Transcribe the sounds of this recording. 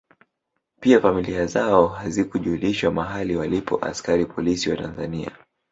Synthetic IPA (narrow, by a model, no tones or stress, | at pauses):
piafamiliazaɔɦazikuʄuːliʃwamaɦaliwalipɔʔa̰skaɾipʰɔlisiwatanzania̰